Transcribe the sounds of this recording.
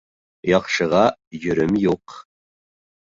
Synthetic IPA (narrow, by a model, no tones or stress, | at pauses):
jɑχʃɤ̆ʁɑjɵ̆ɾɘmjuq